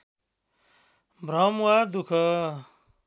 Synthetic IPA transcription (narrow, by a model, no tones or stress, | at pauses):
bɾaːmwaːd̪ukʰa